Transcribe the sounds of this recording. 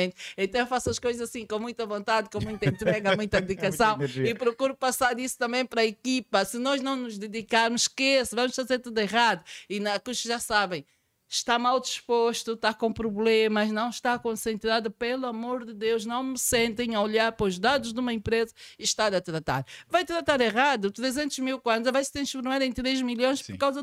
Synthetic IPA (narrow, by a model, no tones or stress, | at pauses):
ẽnt̪ẽnt̪ɐ̃w̃efasɐʃkojzɐzɐsĩkõmũj̃t̪ɐvõnt̪aðkõmũj̃t̪ɐiĩnt̪ɾɛɣɐmũj̃t̪ɐd̪ðikɐsɐ̃w̃ipɾɔkuɾupɐsaɾisu̥t̪ɐ̃mbẽj̃pɐɾɐekipɐsɨnɔʒnɐ̃w̃nuʒd̪ɨðikaɾmʊʃkesvɐmʊʃfɐzeɾt̪uðiʁaðuinɐkuʃʒasaβẽj̃ | ʃt̪amawˠd̪iʃpoʃt̪ut̪akõpɾuβlˠemɐʒnɐ̃w̃ʃt̪akõsẽnt̪ɾaðupelˠuɐmoɾðɨd̪ewʒnɐ̃w̃mɨsẽnt̪ẽj̃ɐɔʎaɾpɾɐɔʒd̪aðuʒd̪umɐẽmpɾezɐiʃt̪aɾɐt̪ɾɐt̪a̰ɾvajt̪ɾɐt̪aɾeʁaðut̪ɾezẽnt̪uʒmilˠkwɐ̃nzɐvajsɨ̥t̪ɾɐ̃ʃfuɾmaɾẽj̃t̪ɾeʒmiljõj̃ʃpɔɾkawzɐ